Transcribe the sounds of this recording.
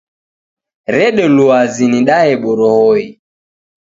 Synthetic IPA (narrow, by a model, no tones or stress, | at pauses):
ɾɛɗɛluaziniɗahɛɓɔɾɔhɔi